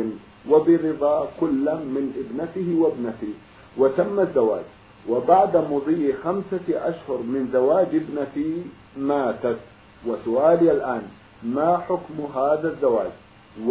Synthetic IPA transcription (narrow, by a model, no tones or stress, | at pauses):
n | wabɪɾɪðˤɑːkʊlːamɪnʔɪbnat̪ɪhɪwabnat̪i | wat̪amːazːawa̰ːd͡ʒ | wabaʕd̪amʊðˤiːxamsaʔaʃhʊɾmɪnzawaːd͡ʒɪbnat̪i | maːt̪at̪ | wasʊʔaːlɪalʔaːn | maːħʊkmɦaːðazːawa̰ːd͡ʒ